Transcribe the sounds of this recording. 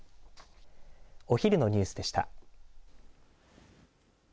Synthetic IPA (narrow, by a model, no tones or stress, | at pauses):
o̞çʲiɾʲɯno̞ɲ̟ɨːsɨd̪e̞ɕi̥t̪a̰